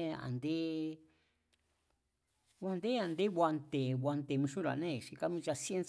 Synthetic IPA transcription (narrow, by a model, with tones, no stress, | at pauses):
a̰˨nd̪e˦ | βʷwa˧nd̪e˦a˨nd̪e˦βʷa˧nt̪e˨βʷa˧nt̪e˨mĩ˧ʃũ˦ɾa̰˨nẽ˦˨ʂi˧ka˦mĩ˧t͡ʃa˧si˦e˦ns